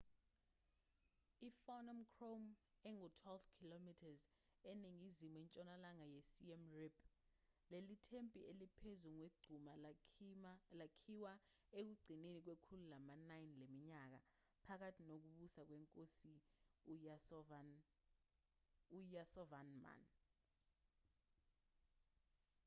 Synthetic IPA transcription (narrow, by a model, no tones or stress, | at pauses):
ifɔnɔmkʰrom | ɛŋutʰwɛlvkʰilomitʰaz | eniŋizimuɛnt͡ʃʼɔnalaŋajɛsiɛmriplelitʰempʼielipʰezuŋweɡ͡ǀʱuma | lakʰiwa | ek̬uɡ͡ǀʱinenik̬wekʰululamanajinlemiɲak̬a̰ | pʰak̬atʰinok̬uɓusak̬wɛŋkʼosi | ujasɔvanma̰n